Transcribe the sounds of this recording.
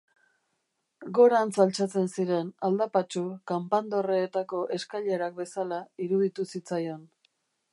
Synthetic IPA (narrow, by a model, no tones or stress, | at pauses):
ɡo̞ɾansalt͡sat͡se̞nsiɾe̞nald̪apat͡ʃukampand̪o̞reːt̪ako̞ʔe̞skaʎe̞ɾak̚be̞salaiɾuðit̪usit͡sajo̞n